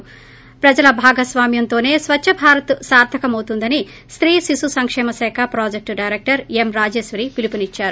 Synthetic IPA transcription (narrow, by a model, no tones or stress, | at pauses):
pɾɐd͡ʒɐlɐbʱaːɡɐsʋaːmjɐnt̪o̞ːne̞ːsʋɐt͡ʃʃʰɐbʱaːɾɐt̪saːɾd̪ʱɐkɐmɐwt̪und̪ɐni | st̪ɾiːsisusɐŋkʂɛːmɐsɛːkʰapɾoːd͡ʒek̚ʈɖɐjɾek̚ʈɐɾemɾaːd͡ʒeːʃʋɐɾiːpilipinit͡ʃːaːɾu